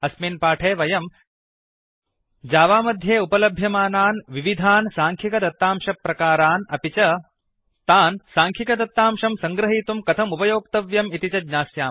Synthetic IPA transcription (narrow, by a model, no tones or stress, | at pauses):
ɐsmeːnpaːʈʰeːʋɐjɐm | d͡ʒaːʋaːmɐd̪ʱjeːupɐlɐbʱjɐmaːnaːnʋiʋid̪ʱaːnsaːŋkʰikɐd̪ɐt̪ːaːmʃɐpɾɐkaːɾaːnɐpit͡ʃɐ | t̪aːnsaːŋkʰikɐd̪ɐt̪ːaːmʃɐmsɐ̃ŋɡɾɐɦiːt̪umkɐt̪ʰɐmupɐjoːk̚t̪ɐʋjɐmit̪it͡ʃɐdɲaːsjaːm